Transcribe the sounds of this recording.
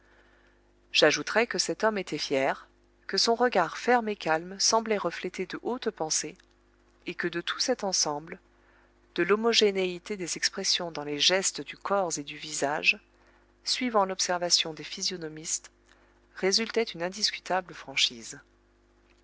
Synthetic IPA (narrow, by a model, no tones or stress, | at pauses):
ʒ̥aʒut̪χɛkəsɛt̪ɔmet̪ʰɛfjɛʁ | kəsɔ̃ʁəɡaʁfɛʁmekalmsɑ̃blɛʁəflet̪ed̪əʔot̪pɑ̃seː | kəd̪ət̪ʰu̥sɛt̪ɑ̃sɑ̃bl | d̪̥əlomɔʒeneit̪ed̪ezɛkspχɛsjɔ̃d̪ɑ̃leʒɛst̪d̪ykʰɔʁzed̪yvizaʒ | sɥivɑ̃lɔpsɛʁvasjɔ̃d̪efizjɔnɔmist̪ | ʁezylt̪ɛt̪ynɛ̃d̪iskʲy̥t̪abləfχɑ̃ʃiz